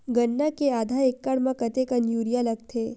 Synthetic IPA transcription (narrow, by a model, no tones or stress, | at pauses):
ɡənːakeaːd̪ʱaekːaɽmãkət̪ekənjuɾijaləɡ̚t̪ʰe